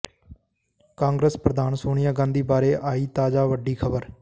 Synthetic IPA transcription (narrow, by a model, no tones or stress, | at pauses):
kãːŋɡɾeːspɾəd̪aːnsoːɽ̃ɪjaːɡãːnd̪iːbaːɾeːʔaːiːt̪aːd͡ʒaːʋəɖiːkʰəbəɾ